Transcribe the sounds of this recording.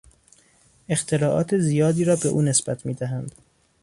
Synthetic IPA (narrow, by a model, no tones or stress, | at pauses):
e̞xt̪ʰe̞lɒːʔɒ̰ːt̪ʰezijɒːd̪iːɾɒːbe̞ʔṵːne̞sb̥æt̪ʰmiːd̪æɦænd̪̥